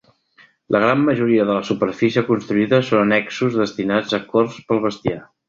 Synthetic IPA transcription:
lʔəɣ̞ɾamːəʒuɾiəðələsupəɾfisiəkunst̪ɾuiðəsonənɛksuzðəst̪inad͡zəkɔrspəlˠβ̞əst̪ia

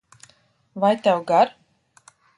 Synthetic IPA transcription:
vajt̪awɡaɾ

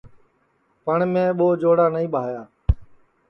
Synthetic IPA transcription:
pəɳmẽːɓoːd͡ʒoːɽaːnəĩːɓʱaːjaː

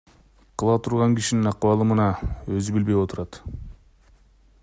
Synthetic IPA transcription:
qʰɯlˠɑt̪ʰuɾʁɑŋkiʃininɑqwɑlˠɯmɯnɑø̞zybilbe̞jo̞t̪uɾɑt̪

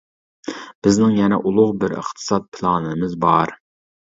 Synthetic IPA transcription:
b̥ɪznɪŋjɛnɛʔulˠʊʁbɪɾə̰χt̪ʰɨ̥sɑt̪̚pʰɨlˠɑnɨnɨmɨzbɑɾ

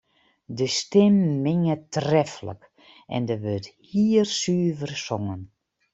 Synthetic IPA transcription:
dəstɪmːɪŋətrɛfələ̰k | ʔɛ̰ndəʋøthiːrsyːvərsɔŋən

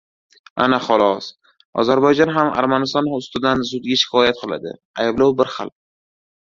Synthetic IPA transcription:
a̰naχɒlˠɒs | ɒ̰zaɾbɒjd͡ʒɒnɦama̰ɾmanɪst̪ɒnʊst̪ɪd̪ansʊd̪̚ɡʲaʃɪ̥kʰɒjat̪̚qʰɨlˠa̰d̪ɪ̰ajblawbɪɾχa̰lˠ

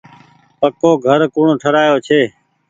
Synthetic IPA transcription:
pəkoːɡʱəɾkʊːɳõːʈʰəɾaːjoːt͡ʃʰeː

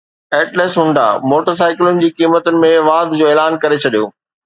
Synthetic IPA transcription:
ɛːʈleːsɦʊ̃ɳɖ̪a̰moːʈəɾs̬aːɪkɪlʊnɪ̆d͡ʑiːkiːmət̪ʊnɪ̆mẽʋaːd̪ʱd͡ʑoːeːlaːnkɐɾet͡ɕʰɐɗijo̰ː

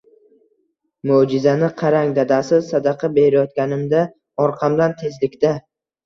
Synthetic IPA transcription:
mʊd͡ʒɪzanɪqʰɑɾaŋd̪ad̪asɪsad̪ɑqʰɑbe̞ɾɪjɒt̪̚kʲanɪmd̪a | ɒɾqʰɑmd̪ant̪ʰe̞zlɪkʲt̪a

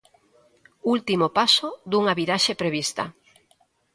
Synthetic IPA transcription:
ult̪imopasod̪uŋaβiɾaʃepɾeβist̪ɐ̰

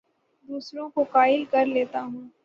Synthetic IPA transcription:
d̪uːsɾõkokaːɪlkɐɾleːt̪aɦũː

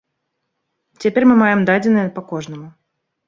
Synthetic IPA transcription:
t͡sʲɛpʲeɾʲmɨmajɛmd̪ad͡zʲɪnːəjəpɐkɔʐnəmʊ

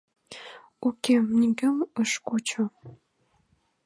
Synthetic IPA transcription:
ukʲemnʲiɡəməʃkot͡ɕo

